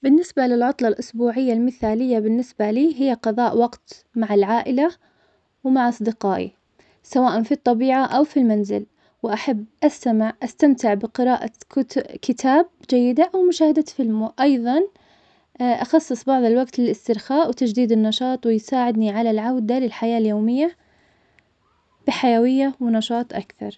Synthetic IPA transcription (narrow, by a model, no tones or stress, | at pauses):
bɪnːɪsbalɪlʕʊt̪ˤlɑlʔʊsbuːʕɪjːalmɪθaːlɪjːabɪnːɪsbaliːɦɪjːaqɑðˤɑːʔwɑɡt̪maʕalʕaːʔɪla | wmaʕʔɑsˤd̪ɪqɑːʔḭ | sawaːʔanfit̪ˤːɑbiːʕaʔawfilmanzɪl | wʔaħabːʔast̪amɪʕʔast̪amt̪ɪʕbɪqɪɾaːʔa̰kʊkɪt̪ʰaːb̚d͡ʒajːɪd̪aʔawmʊʃaːhad̪afɪlmʔɑjðˤɑn | ʔɑxɑsˤːɨsˤbɑʕðˤɪlwaɡt̪lɪlɪst̪ɪɾxaːʔwt̪ad͡ʒd̪iːd̪ɪnːɑʃɑːt̪ˤwɪjsaːʕɪd̪niʕalalʕawd̪alɪlħajaːljoːmɪjːa | b̥ɪħajawɪjːawɪnɑʃɑːt̪ˤʔakθɑ̰ɾˤ